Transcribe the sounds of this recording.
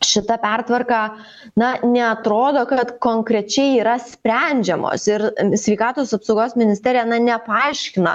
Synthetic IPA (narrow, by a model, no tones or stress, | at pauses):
ʃʲɪt̪ɐpʲært̪ʋɐrkɑ | nɐnʲɛɐt̪ɾoːd̪oːkɐt̪koːŋkɾʲɛt͡ʃʲɛɪiːɾɐsʲpʲɾʲænʲd͡ʒʲɛmo̰ːsɪɾsʲʋʲɛɪkɑːt̪oːsɐpsoʊɡoːsmʲɪnʲɪsʲt̪ʲæːɾʲɪjɛnɐnʲɛpɐɐɪʃʲkʲɪnɐ̰